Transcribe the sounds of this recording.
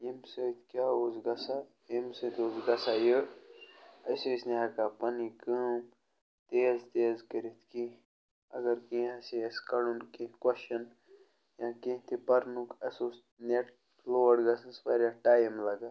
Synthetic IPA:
imsət̪ʰkjaːozɡɐsa | imsət̪oːzɡɐsajə | ɐjsoisneɦɐkapɐnikəːm | t̪eːzt̪eːzkɐɾit̪kĩ | ɐ̰ɡɐɾkĩɐsiskɐɽunkĩkwɐʃɐn | jãːkĩt̪ipɐɾnukɐsos | neʈ | loːəɖɡɐsɐ̃spɐɾʲaʈaːjimlɐɡaː

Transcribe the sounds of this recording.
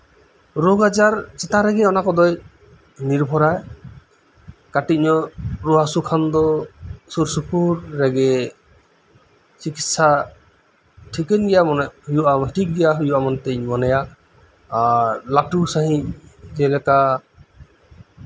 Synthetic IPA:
ɾoɡad͡ʒaɾt͡ʃɛt̪aɾɛɡɛɔnakɔd̪ɔj | niɾbʱɔɾaj | kaʈiɲɔɾuɦasukʰand̪ɔsuɾsupʰuɾːɛɡɛ | t͡ʃikit̪sa | ʈʰikɛnɡɛjamɔnhujuamʈik̚ɡɛjaɦujuamɔnt̪ɛɲmɔnɛja | laʈusaɦĩd͡ʒɛlɛka

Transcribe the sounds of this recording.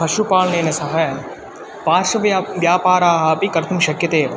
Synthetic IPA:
ɐʃupaːɭneːnesɐɦaj | paːʃɐʋʋjaːpaːɾaːɦɐpikɐɾt̪ʰumʃɐkjɐt̪eː

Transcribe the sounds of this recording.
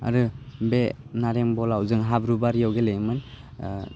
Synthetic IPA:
a̰ɾɯbenaɾeŋbɔlawzɯŋɦabɾubaɾjawɡelejmɯn

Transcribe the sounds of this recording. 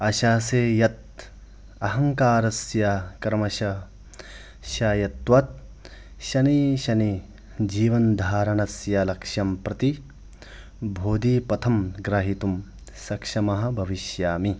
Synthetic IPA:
ɐʃaːseːjɐt̪̚ | ɐɦɐŋkaːɾɐsjɐkɐɾmɐʃɐ | ʃaːjɐt̪ʋɐt̪̚ | ʃɐniʃɐni | d͡ʒiːʋɐnd̪ʱaːɾɐɳɐsjɐlɐkʂjɐmpɾɐt̪i | bʱoːd̪iːpɐt̪ʰɐmɡɾɐɦit̪um | sɐkʂɐmɐɦɐ̆bʱɐʋiʃjaːmi

